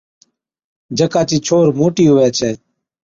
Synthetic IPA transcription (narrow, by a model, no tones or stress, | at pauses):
d͡ʒʱəkaːt͡ʃiːt͡ʃʰoːɾmoːʈiːɦʊʋɛːt͡ʃʰɛː